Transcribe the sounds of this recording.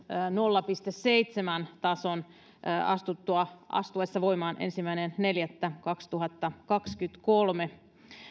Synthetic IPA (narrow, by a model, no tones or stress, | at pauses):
nolːɑpist̪esːeit̪semænt̪ɑson | ɑ̰st̪ut̪ːuɑʔɑ̰st̪uesːɑʋo̞imɑːnʔḛnsimˑæinenne̞ljæt̪ːækɑkst̪uɦɑt̪ːɑkɑkskyt̪kolme